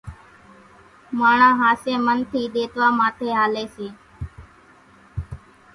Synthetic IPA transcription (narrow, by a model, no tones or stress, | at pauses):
maːɳãːɦaːseːmənt̪ʰiːɗ̪eːt̪ʋaːmaːt̪ʰeːɦaːleːseː